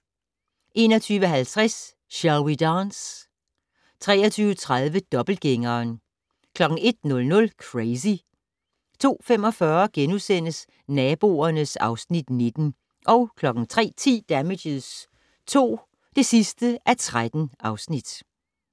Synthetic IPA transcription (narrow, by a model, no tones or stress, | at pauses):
ʔe̝ːnɒ̽t͡sʰyːʋəɦælt͡sʰʁas | ɕælwid̥ɑːns | t͡sʰʁɛ̰ːɐt͡sʰyːʊət͡sʰʁað̞ˠʋəd̥ɒ̽b̥l̩ɡ̥eŋɐːn | kʰlɒ̽ɡ̥ŋ̩e̝d̥̚nɔ̽lnɔ̽lkʰʁes̬i | t͡sʰo̝̰ːfemɒ̽fɶɐɡ̥enusen̰əs | nɛːb̥o̝ːɐnəsɑ̈ʊsnid̥ne̝d̥n̩ | ʔɒ̽ʊkʰlɒ̽ɡ̥ŋ̩t͡sʰʁɛ̰ːt͡sʰḭːd̥æme̥əð̩ˠs | t͡sʰo̝̰ː | d̥e̝sisd̥əʔæt͡sʰʁad̥n̩ʔɑ̈ʊsnid̥